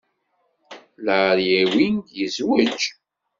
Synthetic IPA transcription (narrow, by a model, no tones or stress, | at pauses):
ləɾjæwind̪jəzwəd͡ʒ